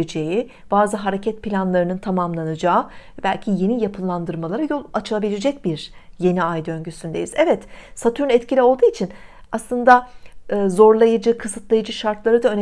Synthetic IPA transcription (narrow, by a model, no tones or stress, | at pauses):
d͡ʒeji | b̥aːzɯɦaɾe̞cʰɛt̪̚pʰilʲanlˠaɾɯnɯnt̪ʰamamlˠanɯd͡ʒaːbælʲcʰije̞nijapʰɯlˠand̪ɯɾmalˠaɾajo̞lˠat͡ʃʰɯlˠabilʲed͡ʒɛc̚biɾje̞niajd̪ø̞ɲɟysynd̪e̞̰jizɛvɛt̪sat̪ʰuɾynɛt̪cʰilʲio̞lˠd̪uːit͡ʃʰinaslˠɯnd̪aɯːzo̞ɾlˠajɯd͡ʒɯkʰɯsɯt̪lˠajɯd͡ʒɯʃaɾt̪lˠaɾɯd̪aø̞n